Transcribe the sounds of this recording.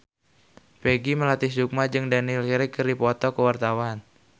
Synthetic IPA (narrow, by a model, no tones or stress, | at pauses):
peɡiməlat̪ɪsd͡ʒuk̚mad͡ʒɨŋdanilkiɾɪkːərdipɔt̪ɔkəwart̪awan